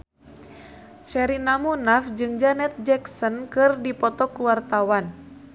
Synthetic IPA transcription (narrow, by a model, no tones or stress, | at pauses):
t͡ʃɛɾinamunafd͡ʒɨŋd͡ʒanɛt̪̚d͡ʒɛksɔnkɨrdipɔt̪ɔkuwart̪awan